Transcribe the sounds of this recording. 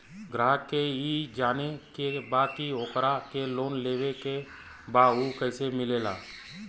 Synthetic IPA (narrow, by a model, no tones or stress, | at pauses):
ɡɾaːɦkːeiːd͡ʒaːnekebaːkioːkɾakeloːnleːweke | baːukəɪsemɪleːla̰ː